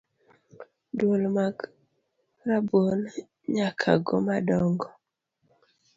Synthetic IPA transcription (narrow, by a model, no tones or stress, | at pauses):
dwolmak | ɾabon | ɲakʰa̰ɡɔ̰madɔŋɡɔ